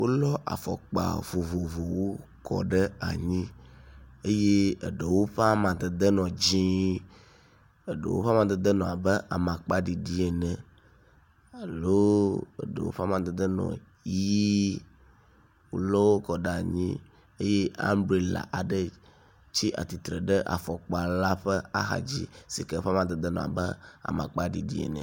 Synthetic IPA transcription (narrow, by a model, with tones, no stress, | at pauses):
wo˦lɔ˦ʔa̰˨fɔ̰˨k͡pa̰˨vo˨vo˨vo˨wo˦ | kɔ̰˨ɖə˦a̰˨ɲĩ˦ | e˦je˦ə˨ɖə˨wo˦ɸa˦mã˨d̪ə˨d̪ə˦nɔ̃˨d͡ʑĩ˦ | ə˨ɖə̰˨wo̰˦ɸa˦mã˨d̪ə˦d̪ə˦nɔ̃˨a˨bə˦ʔa̰˨mã˨k͡pa˦ɖi˨ɖi˦e˨nɛ̃˨ | a˨lo˦ḛ˦˨ɖə̰˨wo̰˦ɸa˦mã˨d̪e˨d̪ə˦nɔ̰̃˨ | ji˦ | wo̰˨lɔ˦wo˦kɔ˨ɖa˨ɲĩ˦ | e˦je˦a̰˦mbɾi˨la̰˨ʔa˨ɖə˦ | t͡ɕi˦ʔa̰˨t̪i˨t̪ɾə˨ɖə˦ʔa̰˨fɔ˨k͡pa˨la˦ɸə˦a̰˦ɦa̰˨d͡ʑḭ˦si˨ke˦fa˦mã˨d̪ə˨d̪ə˦nɔ̰̃˨a̰˨bə˦a̰˨mã̰˨k͡pa˦ɖi˨dḭ˦ḛ˨nɛ̰̃˨